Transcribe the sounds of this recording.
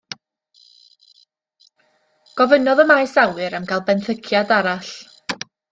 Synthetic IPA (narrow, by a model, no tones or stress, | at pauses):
ɡ̥ɔvənɔðəmajsawɨɾamkalˠbɛnθəkʰjadaɾaɬ